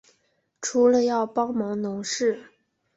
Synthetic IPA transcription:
ʈ͡ʂʰu˧˥lə˧jɑ˥˩ʊpɑ˥ʊmɑ˧˥ŋnʊ˧˥ŋʂɻ̩˥˩

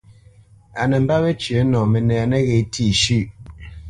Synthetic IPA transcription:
a˨nɛ˨m̩˦ba˦βɛ˦t͡ʃɥə˨˦nɔ˨mɛ˨nɛ˨a˨nɛ˦ɣe˨˦tʰi˦˨ʃʉ˦˨

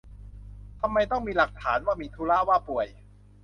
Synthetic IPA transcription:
t̪ʰa˧mːa˧jt̪ɔ˥˩ŋmiː˧la˨˩k̚t̪ʰaː˩˦nwaː˥˩miː˧t̪ʰuː˧˦laː˥˩waː˥˩pu˨˩əj

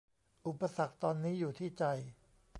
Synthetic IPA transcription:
ʔu˨˩pːa˧sa˨˩k̚t̪ɔː˧nːiː˦˥juː˨˩t̪ʰiː˥˩t͡ɕa˧j

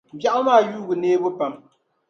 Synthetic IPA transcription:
ba˦ʔa˦maː˦˨juː˦ɡɨ˨neː˦bʊ˦pa˨m

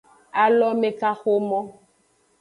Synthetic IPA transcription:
a˨lɔ˦me˨ka˦xo˦mɔ˦

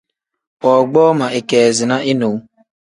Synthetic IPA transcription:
ɔ˨ɡ͡bɔː˦ma˨ʔe˨ke˨zɪ˨na˦ʔi˦no˨w

